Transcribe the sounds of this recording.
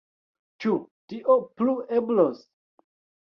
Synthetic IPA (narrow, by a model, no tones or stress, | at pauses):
t͡ʃutiʔoplueblos